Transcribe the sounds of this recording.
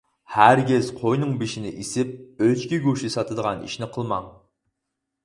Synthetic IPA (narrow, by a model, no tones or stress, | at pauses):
hæɾɡʲɛzqʰojnɨŋbiʃinɪʔisɪp̚øt͡ʃkʲiɡuʃisɑt̪ʰɨd̪əʁɑnḭʃnɪqʰəlˠmɑŋ